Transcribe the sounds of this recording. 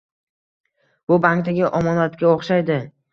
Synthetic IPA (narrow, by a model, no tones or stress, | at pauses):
b̥ʊbaŋkt̪aɡʲɪʔɒmɒnlat̪kʲaoχʃajd̪ɪ